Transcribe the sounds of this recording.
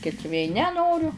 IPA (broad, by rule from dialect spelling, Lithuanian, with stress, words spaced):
ˈkʲɪts ʋʲeː nʲɛˈnoːrʲʊ